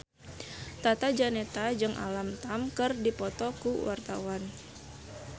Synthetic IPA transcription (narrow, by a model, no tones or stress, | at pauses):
t̪at̪ad͡ʒanet̪ad͡ʒɨŋʔa̰lamt̪amkɨrdipɔt̪ɔkuwart̪awan